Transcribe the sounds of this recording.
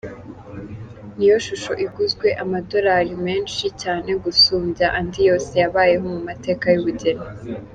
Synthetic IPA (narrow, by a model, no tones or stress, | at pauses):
nijo̞ʃuʃo̞ʔiɡuzɡwe̞ʔamado̞ɾaɾime̞ːnʃicaːne̞ɡusuːmbjaʔandijo̞ːse̞jaβaːje̞ɦo̞mumate̞ːkajuβuɟe̞na